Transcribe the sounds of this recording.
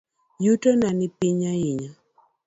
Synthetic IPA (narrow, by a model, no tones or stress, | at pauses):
jutonanɪpiɲaɪɲa